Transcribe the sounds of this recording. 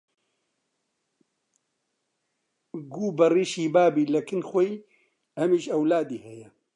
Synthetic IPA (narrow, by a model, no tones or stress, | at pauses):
ɡuːbɐriːʃiːbaːbiːlɐkʰɨnxʷoi | ɐmiːʃɐwlaːd̪iːhɛjɛ